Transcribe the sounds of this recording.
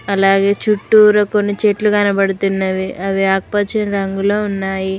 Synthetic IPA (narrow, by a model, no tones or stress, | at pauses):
ɐlaːɡe̞ːt͡ʃuʈːuːɾɐkonːit͡ʃeʈluɡɐnɐbɐɽut̪unːɐʋiʔɐʋiaːk̚pɐt͡ʃɐnɾɐŋɡuloːunːaːji